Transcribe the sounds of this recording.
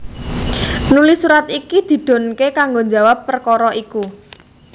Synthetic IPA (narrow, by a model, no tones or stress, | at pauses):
nulɪsuɾat̪ikid̪̥i̤d̪̥o̤nkekaŋɡoɲd͡ʒa̤wapːərkɔɾɔʔiku